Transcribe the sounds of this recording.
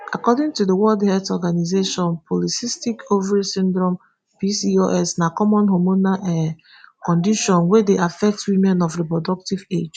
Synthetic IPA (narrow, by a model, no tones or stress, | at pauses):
a̰kɔdĩŋtudəwɔldhɛltɔɡanizeʃɔ̃npʰɔlisistikʰovɛɹisĩndɹɔ̃m | pisioʔɛsnakɔmɔ̃nɦomonaʔɛ | kɔ̃ndiʃɔ̃nwedeʔafɛk̚twimɛ̃nɔfɹɛpɔdɔk̚tived͡ʒ